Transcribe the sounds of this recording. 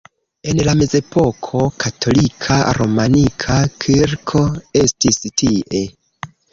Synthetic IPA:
e̞nlame̞ze̞po̞kʰo̞katʰo̞likʰa̰ɾo̞manikʰakʰiɾkʰo̞e̞stistiʔe

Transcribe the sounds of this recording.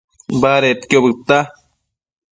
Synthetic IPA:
baɾet̪kjobɨkt̪a

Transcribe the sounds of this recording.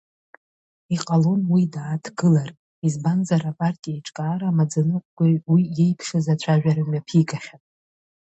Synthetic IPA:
iqʼalo̞nwidaːtʰɡɨlar | izbanzaɾapʼartʼijaiʈ͡ʂʼkʼaːɾaːmad͡zanɨqʷʼɡ̥ʷawijejpʰʂɨzat͡ɕʷʰaʒᶣaɾamapʰiɡʰaχʲapʼ

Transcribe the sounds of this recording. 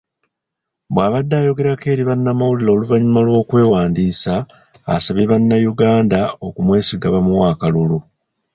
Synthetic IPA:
bwaːβadːaːjo̞ɡe̞ɾake̞ːɾiβanːamawulilo̞ːluvaɲumalwo̞ːkwe̞ːwaːndiːsa̰ː | saβeβanːajuɡaːndao̞kumwe̞ːsiɡaβamuwaːkalulu

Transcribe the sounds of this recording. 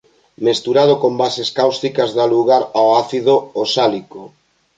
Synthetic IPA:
mest̪uɾað̞okombaseskawst̪ikɐzðaluɣaɾawaθiðoosaliko

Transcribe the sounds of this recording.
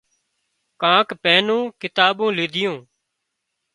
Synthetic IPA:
kãːkpɛːnõːkɪt̪aːɓõːlɪːd̪ɪjõː

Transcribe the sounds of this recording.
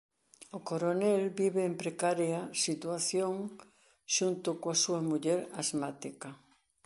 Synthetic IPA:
ʊkoɾonɛlbiβeːmpɾekaɾjasit̪waθjoŋ | ʃunt̪ʊkoasuɐmuʎɛɾazmat̪ikɐ

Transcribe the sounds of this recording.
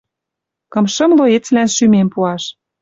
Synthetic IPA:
kɤ̆mʃɤ̆mloet͡slænʃymempuɑʃ

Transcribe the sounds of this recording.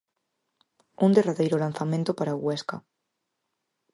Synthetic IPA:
und̪eraðejɾolanθamẽnt̪opaɾaɣweska̰

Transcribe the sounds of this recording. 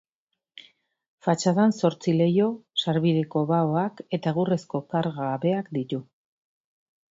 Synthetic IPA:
fat͡ʃaðanso̞ɾt͡sile̞jo̞saɾβiðeko̞βaoake̞t̪aɣure̞sko̞kaɾɣaːβe̞akd̪it̪u

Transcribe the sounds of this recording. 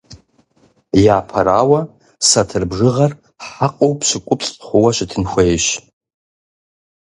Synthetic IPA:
jaːpʰaɾawa | satʰɨrbʐɨʁar | ħaqʼowpʰsʷɨkʷʼʊpʰʼt͡sʼχʷʊwaʃʷɪtʰɨnxʷejʃ

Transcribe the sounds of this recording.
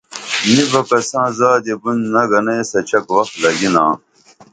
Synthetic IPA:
nibɐkɐsãːzaːd̪ebunnɐɡɐnɐsɐt͡ɕɐkwɐxt̪lɐɡinãː

